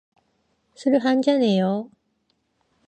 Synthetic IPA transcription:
sʰɯɾɯɦand͡ʑane̞jo

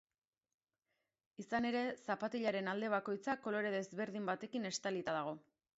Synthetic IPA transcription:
isane̞ɾe̞sapat̪iʎaɾe̞nald̪e̞β̞ako̞jt͡sako̞lo̞ɾe̞ðe̞zβe̞ɾðimbat̪e̞kine̞st̪alit̪aðaɣ̞o̞

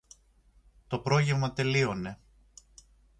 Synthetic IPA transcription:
t̪o̞pɾo̞ʝevmɐt̪e̞lio̞ne̞

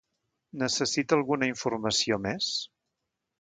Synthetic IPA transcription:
nəsəsit̪əlˠɣunəiɱfurməsiomes

